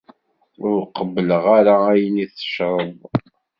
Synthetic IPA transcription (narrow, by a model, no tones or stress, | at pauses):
ʊɾqːəbːələʁaɾaæjəniθə̥ʃɾˤəðˤ